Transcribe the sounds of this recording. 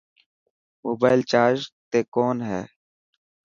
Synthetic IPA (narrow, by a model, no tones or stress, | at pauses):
moːbaːɪlt͡ʃaːɾd͡ʒt̪eːkoːnɦɛ̰ː